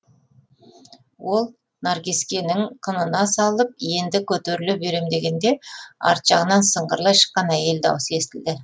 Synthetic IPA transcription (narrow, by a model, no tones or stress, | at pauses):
wo̞lˠ | naɾɡʲiskʲenɪŋqʰənənɑsɑlˠəp̚je̞nd̪ɪkʲʰɵt̪eɾɪlubeɾemd̪e̞ɡʲe̞nd̪e̞ɑ̰ɾt̪ʒ̥ɑʁənɑnsəɴʁəɾlˠɑjʃə̥qːɑnæje̞ld̪ɑ̰wəse̞st̪ɪld̪ɪ